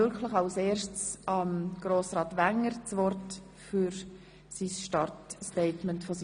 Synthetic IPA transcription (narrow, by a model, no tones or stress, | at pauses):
ʏɾkʰləχɑʊseːɾʃtt͡sɑmɡ̥ɾoːsɾɑːtʋæŋəɾt͡sʋɔrt | fyɾ | sisʃtɑrtstɛɪtmɛntfɔs